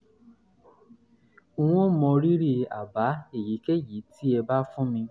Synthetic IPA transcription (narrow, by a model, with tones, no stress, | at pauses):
u˦w̃ɔ̃˦mɔ̃˧ɾi˦ɾi˦a̰˨ba˨˦e˦˨ji˨˦ke˦˨ji˨˦ti˦ɛ˧ba˦fũ˦mĩ˧